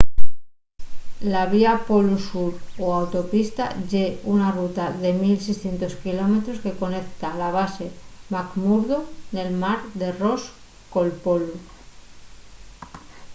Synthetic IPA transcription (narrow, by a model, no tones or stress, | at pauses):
laβ̞iapolusuɾoawt̪o̞pist̪aʝe̞unarut̪aðe̞milsejsθje̞nt̪o̞skilo̞me̞t̪ɾo̞ske̞ko̞ne̞k̚t̪alaβ̞ase̞makmuɾðone̞lmaɾðe̞ro̞s | ko̞lpo̞lu